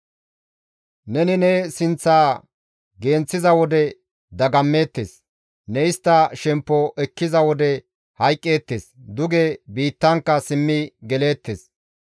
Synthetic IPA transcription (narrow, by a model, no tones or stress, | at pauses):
nɛnɪnɛsɪnt͡sːaː | ɡe̞ːnt͡sːɪzɐwɔd̪ɛ | d̪ɐɡɐmːe̞ːt̪ːḛːs | nɛɪst̪ːɐʃɛmpːɔʔɛkːɪzɐwɔd̪ɛ | hɐjkʼːe̞ːt̪ːeːsd̪ʊɡebiːt̪ːɐŋkːɐsɪmːɪɡɛle̞ːt̪ːeːs